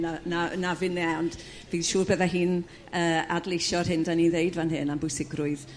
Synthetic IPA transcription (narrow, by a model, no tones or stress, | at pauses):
nananavɪnɛɔnd | viːðʃuːrbəðaɦiːn | əːa̰dlˠejʃɔrhɪndaniðejdvanɦɪnambʊjsɪɡrʊɨð